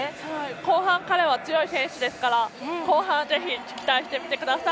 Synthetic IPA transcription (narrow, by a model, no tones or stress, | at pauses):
haiko̞ːhãŋkaɾe̞βat͡sɨjo̞isẽ̞ɰ̃ɕɨd̪e̞sɨ̥kaɾako̞ːɦãɰ̃ze̞çʲikʲi̥kʲi̥t̪aiɕi̥t̪emʲit̪e̞kɯ̟d̪asa